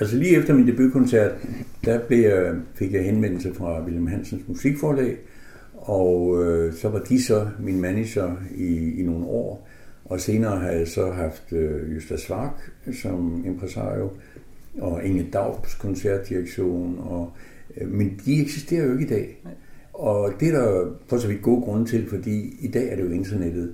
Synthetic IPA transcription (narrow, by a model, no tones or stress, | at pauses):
æls̬əliːefd̥ɐmind̥e̝b̥ykʰɔ̽nsæɐ̰d̥ːæb̥le̝jafe̝ɡ̥jɑ̈ɪhenʋen̰l̩səfʁɑ̈ʋilm̩ɦæn̰sən̩smusiɡ̥fɒːlɛ̰ːɪ | ɒʊøsɒ̽ʋɑ̈d̥isɒ̽minmæniɕɐiːno̝ːn̩ɒ̰ː | ʔɒ̽se̝ːnɐːɦæjɑsɒ̽ɦɑ̈fd̥øjøsd̥æsʋɑ̈ːɡ̥sɒ̽mempʰʁɛsɑ̰̈ːjo | ɒeŋəld̥ɑ̈ʊ̰b̥skʰɒ̽nsæɐ̰d̥ːiʁɐɡ̥ɕo̝̰ːnɒ̽ | mend̥ieɡ̥sisd̥e̝̰ːɐjoe̝ɡ̥id̥ɛ̰ː | ɒ̽d̥eæɐɾ̥ɑfɒsɒʋid̥̚ɡ̥o̝ːɡ̥ʁɔ̽nət͡sʰe̝lfɒ̽d̥ḭːid̥ɛ̰ːæɐɾ̥e̝jo̝e̝nd̥ɐned̥ð̩ˠ